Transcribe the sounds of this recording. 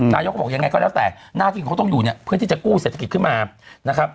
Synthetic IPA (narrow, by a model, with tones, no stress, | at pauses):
naː˧jo˦˥kbɔ˨˩ja˧ŋːa˧jkɔː˥˩lɛː˦˥t̪ɛː˨˩naː˥˩t̪ʰiː˥˨kʰa˦wt̪ɔ˥˩ŋjuː˨˩ni˥˩ɐpʰɯ˥˩i˥˩t͡ɕa˨˩kuː˥˩seː˨˩t̪ʰːki˨˩kʰɯ˥˩nmaː˧na˦˥kʰɾa˦˥p̚